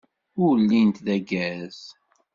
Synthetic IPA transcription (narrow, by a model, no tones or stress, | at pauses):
ʊwlːint̪ðæɡæz̥